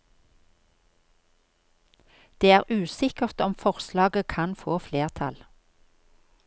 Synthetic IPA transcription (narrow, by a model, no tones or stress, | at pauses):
d̪̥eːæːʁʔʉːsɪkəʁt̪ɔmfɔʁslɑːɡəkʰɑnfoːfleːʁt̪ʰɑ̰l